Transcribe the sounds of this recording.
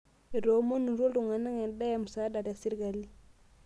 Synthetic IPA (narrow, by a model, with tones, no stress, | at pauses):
e˨ɾo˨˦mo˦nu˨ɾo˦ldu˨ŋa˨na˦ŋe˨n˦da˦ja˨mu˨sa˦da˨da˨si˦ɾɡa˨li˦